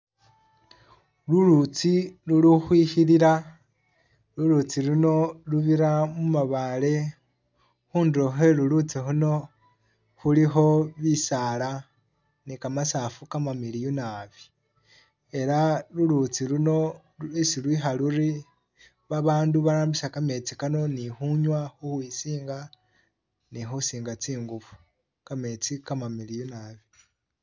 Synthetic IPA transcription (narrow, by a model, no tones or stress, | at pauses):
lulut͡siluluxwiːxiliɾa | lulut͡siɾuno̞luβiɾamumaβale̞ | xuːndɾoxe̞lulut͡sixuno̞ | xulixo̞βisala | nikamasafukamamiliunaβi | e̞ɾalulut͡siɾuno̞ | isilwiɦaluɾi | βaβaːnduβaɾaːmbisakame̞t͡sikano̞nixuɲwaxuhwisiːŋɡa | nixusiːŋɡat͡siːŋɡuβu̥ | kame̞t͡sikamamilijunaβi